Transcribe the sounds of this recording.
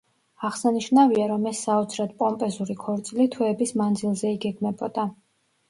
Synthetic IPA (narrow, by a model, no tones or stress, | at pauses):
aʁsaniʃnaviaɾɔmɛsːaɔt̪sʰɾad̪pʼɔmpʼɛzuɾikʰɔɾt̪sʼilit̪ʰwɛɛbismand̪zilˠzɛiɡɛɡmɛbɔd̪̥a